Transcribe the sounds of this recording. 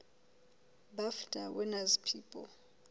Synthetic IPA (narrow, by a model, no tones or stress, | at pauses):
baftʼawɛnazpʰiːpʼɔ